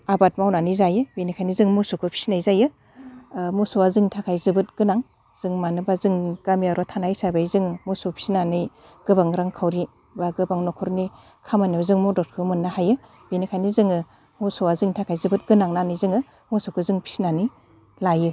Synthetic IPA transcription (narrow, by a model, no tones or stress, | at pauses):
abat̚mawnanizajɯbinikʰajnizɯŋmusukʰɯpʰi̥sinajzajɯ | musuwazɯŋtʰakʰajzɯbɯt̚ɡ̥ɯnaŋ | z̥ɯŋmanɯbazɯŋkamiaɾɔtʰanajsabajzɯŋmusupʰi̥sinanɯj | ɡ̥ɯbaŋɾaŋkʰawɾi | baɡɯbaŋnɔkʰɔɾni | kʰamanizɯŋmudɔt̚kʰɯmɯnːahajɯ | benikʰajnizɯŋɯ | musuazɯŋtʰakʰajzɯbɯt̚ɡɯnaŋnanɯjzɯŋɯ | musukʰɯzɯŋpʰi̥sinani | lajɯ